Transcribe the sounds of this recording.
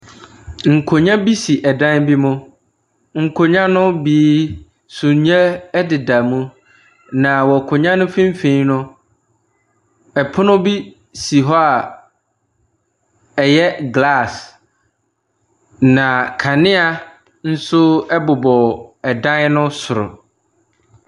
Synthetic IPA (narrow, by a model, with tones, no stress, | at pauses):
ŋ̩˨kʰo˨ɲã˦bi˦si˨ʔɛ˨dã˦nbi˦mʊ̃˦ | ŋ̩˨kʰo˨ɲã˦nʊ̃˦biː˨˦ | sũ˨ɲ˦ɛ˦ɛ˦dɪ˨da˨mũ˦ | nã˨wɔ˨kʰʊ˨ɲã˦nʊ̃˦fĩ˦m̩˦fẽ˦nʊ̃˦ | ɛ˨pʰʊ˦nʊ̃˦bi˦ | si˨ɦɔ˦a˨ | ɛ˨jɛ˦ɡla˦˨s | nã˨kʰa˨nɪ̃˦a˨ | n̩˦sʊ˦ɛ˦bʊ˨bɔ˨ɛ˨dã˦nnʊ̃˦sʊ˨ɾʊ̰˨